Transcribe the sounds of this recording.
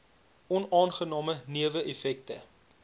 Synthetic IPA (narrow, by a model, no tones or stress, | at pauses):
ɔnɑːnχənɑːməniəvəʔefɛk̚tə